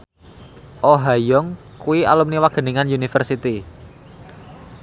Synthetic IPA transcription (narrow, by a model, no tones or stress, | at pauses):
ʔoɦajɔŋ | kuia̰lumniwaɡ̥ə̤niŋanjunifərsit̪i